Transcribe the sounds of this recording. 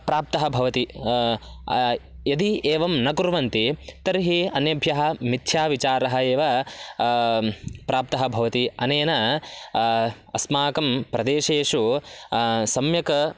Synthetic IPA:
pɾaːp̚t̪ɐɦɐbʱɐʋɐt̪i | jɐd̪iʔeːʋɐmnɐkuɾʋɐnt̪it̪ɐɾɦiɐnjɐbʱjɐɦɐ̆mit̪ʰjaːʋit͡ʃaːɾɐɦɐ̆eːʋɐ | pɾaːp̚t̪ɐɦɐbʱɐʋɐt̪iɐneːnɐ | ɐsmaːkɐmpɾɐd̪eːʂeːʂu | sɐmjɐkɐ

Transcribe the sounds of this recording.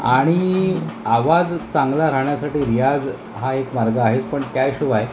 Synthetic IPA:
a̰ɽ̃iaʋad͡zt͡saŋɡlaɾaɦɳjasaʈiːɾijad͡z | ɦaekmaɾɡaːɦet͡spəɳkjajɕuʋaj

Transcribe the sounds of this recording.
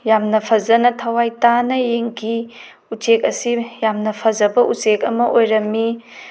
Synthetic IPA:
jamnɐpʰɐzɐnɐtʰɐwajtanɐjeŋɡi | ut͡ʃek̚ɐsijamnɐpʰɐzɐbɐʔut͡ʃekɐmɐʔojɾɐmːi

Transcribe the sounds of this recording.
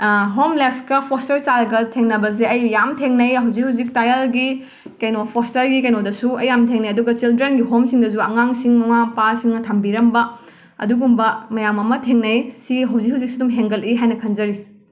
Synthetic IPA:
ɦomleskɐpʰostɐɾsaɾɐɡɐtʰeŋnɐbɐzeɐjːamtʰeŋnɐjɦɐwzik̚hɦɐwzik̚tajɐlɡi | kɐjnopʰostɐɾɡikɐjnodɐsuɐjːamtʰeŋnɐjɐduɡɐt͡ʃildɾenɡiɦomsiŋdɐzuɐŋaŋsiŋmɐmapasiŋnɐtʰɐmbiɾɐmbɐ | ɐ̰duɡumbɐmɐjamɐmɐtʰeŋnɐjsiɡiɦɐwzik̚hɐwzik̚sudumɦeŋɡɐliɦajnɐkʰɐnd͡ʒɐɾi

